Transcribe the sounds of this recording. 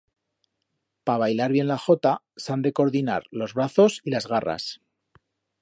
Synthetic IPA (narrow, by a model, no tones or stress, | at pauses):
paβ̞ajlaɾβje̞nlaxo̞t̪a | sand̪e̞ko̞ɾðina̰ɾlo̞zβɾaθo̞silazɣara̰s